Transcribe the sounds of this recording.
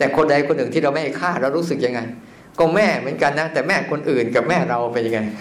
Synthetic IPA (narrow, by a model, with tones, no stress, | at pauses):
t̪ɛː˨˩kʰo˧nda˧jkʰo˧nʔɯ˨˩ŋt̪i˥˩ɾa˧wma˥˩jha˧˩jkʰaː˥˩t̪̚ɾa˧ɾuː˦˥sɯ˨˩k̚ja˧ŋːa˧j | kɔ˥˩mɛː˥˩mɯ˩˦ənka˧nːa˦˥t̪ɛː˨˩mɛː˥˩kʰo˧nʔɯː˨˩nka˨˩p̚mɛː˥˩ɾa˧wpa˧ja˧ŋa˧j